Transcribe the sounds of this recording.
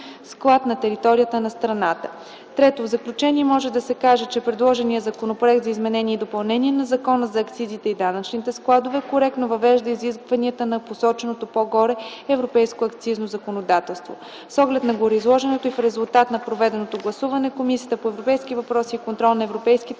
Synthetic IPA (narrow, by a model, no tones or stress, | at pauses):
sklˠat̪nɐt̪ɛɾit̪ɔɾijət̪ənɐst̪ɾɐnat̪ə | t̪ɾɛt̪ovzɐklʲut͡ʃɛniɛmɔʒɛd̪ɐsɛkaʒɛt͡ʃɛpɾɛd̪lˠɔʒɛnijəzɐkonopɾoɛk̚t̪zɐizmɛnɛnʲiɛd̪opɐlˠnɛniɛnɐzɐkɔnəzɐːkt̪sizit̪ɛid̪anɐt͡ʃnit̪ɛsklˠad̪ovɛkoɾɛk̚t̪novɐvɛʒd̪əiziskvɐniət̪ənɐposɔt͡ʃɛnot̪opoɡɔɾɛɛvɾopɛjskoɐkt̪siznozɐkonod̪at̪ɛlˠst̪vo | sɔɡlɛt̪nɐɡoɾɛizlˠɔʒɛnɛt̪oifɾɛzulˠt̪at̪nɐpɾovɛd̪ɛnot̪oɡlˠɐsuvɐnɛkomisijət̪əpoɛvɾopɛjskivɐpɾɔsiːkont̪ɾɔlˠnɐɛvɾopɛjskit̪